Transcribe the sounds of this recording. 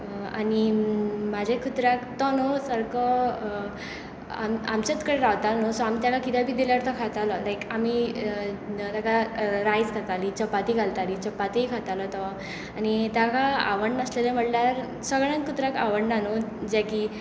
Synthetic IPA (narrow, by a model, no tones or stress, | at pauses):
a̰nimad͡ʑʱekʰut̪ɾakt̪ɔnɔsəɾkɔ | ama̰mt͡ɕet͡skəɽeɾawt̪alnɔsɔamit̪jakakit̪jabʱiːd̪iljaɾt̪ɔkʰat̪alɔlajkami | t̪jakaɾajd͡zkʰat̪alit͡ɕəpːat̪iɡʱalt̪aɾit͡ɕəpːat̪ikʰat̪alɔt̪ɔ | anit̪jakaa̰ʋəɳɖəslelem̤əɽnaɾ | səɡɭãnkʰut̪ɾaka̰ʋəɳnanod͡ʑɛki